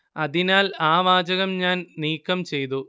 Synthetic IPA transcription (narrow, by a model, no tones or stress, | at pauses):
ɐðinaːlaːʋaːd͡ʑɐɣɐmɲaːnniːkːɐmt͡ɕe̞jt̪u